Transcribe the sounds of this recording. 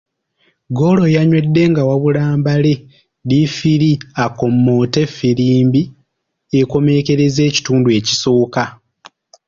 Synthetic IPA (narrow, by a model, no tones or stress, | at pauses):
ɡo̞lo̞jaɲwe̞dːe̞ŋɡawaβulaːmbale̞ | lifiɾiako̞mːo̞ːte̞fːiɾiːmbi | eko̞me̞ke̞ɾe̞ze̞ːci̥tuːndue̞ci̥so̞ːka